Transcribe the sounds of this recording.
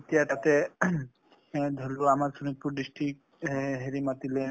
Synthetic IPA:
t̪ijaʈat̪e | d̪ʱəlːuamaɾsunik̪̚puɾɖisʈik | ɦeɾimat̪ile

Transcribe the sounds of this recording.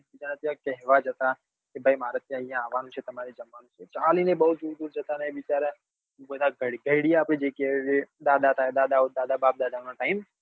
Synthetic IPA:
it͡ʃanət̪jãkɛɦʋad͡ʒət̪a | kebʱaimaɾət̪jãə̃jjãːʋanũt͡ʃʰet̪əmaɾed͡ʒənʋanũt͡ʃʰet͡ʃalinebəɦut̪d͡ʒuɾd̪uɾd͡ʒət̪aneeʋit͡ʃaɾe | ũɡəd̪aɡəɽiɡʱəɪɽijaːped͡ʒekad͡ʒed̪ad̪at̪aed̪ad̪aod̪ad̪abap̚d̪ad̪anaʈaim

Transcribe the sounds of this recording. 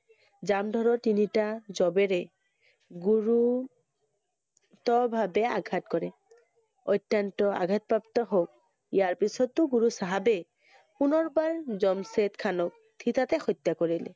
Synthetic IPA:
zamdʱɔɹɔɹtinitazɔbɛɹɛ | ɡuɹu | t̪ɔbʱabɛa̰ɡʱatkɔɹɛ | ɔjtːantɔa̰ɡʱat̪̚papt̪ɔɦok̚ | ijaɹpisɔt̪ːʊɡuɹusaɦabɛ | punɔɹbaɹzɔmset̪kʰanɔk̚ | t̪ʰit̪at̪ɛxɔjt̪ːakoɹilɛ̰

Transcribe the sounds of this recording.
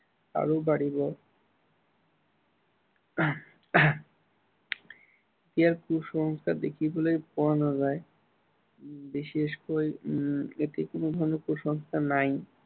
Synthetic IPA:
a̰ɾobaɽibɔ | et̪iaɾkuɾʃɔŋskʰad̪ekʰibolepɔanozae | biʃeʃkoj | et̪ikonod̪ʱɔɾnokuɾʃɔŋskʰanaj

